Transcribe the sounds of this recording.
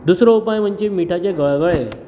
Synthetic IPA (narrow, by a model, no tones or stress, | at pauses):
d̪usɾoupajm̤əɳt͡ɕemiʈʰat͡ɕeɡəɭɡəɭe